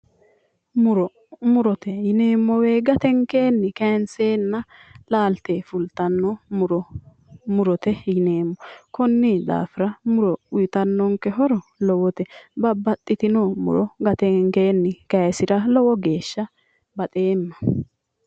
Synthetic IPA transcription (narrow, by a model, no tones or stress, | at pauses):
mʊɾɔ | mʊɾɔt̪ɛjɪneːmːɔwe̞ːɡɐt̪ɛŋkeːnːɪkɐnseːnːɐlaːlt̪efʊlt̪ɐnːɔmʊɾɔ | mʊɾɔt̪ɛjɪneːmːɔkɔnːɪd̪a̰ːfɪɾɐmʊɾɔʊjt̪ɐnːɔŋkɛɦɔɾɔlɔwɔt̪ɛbɐbːɐt̪ʼːɪt̪ɪnɔmʊ̰ɾɔɡɐt̪ɛŋke̞ːnːɪkɐjsɪɾɐlɔwɔɡeːʃːɐ | bɐt̪ʼe̞ːmːɐ̥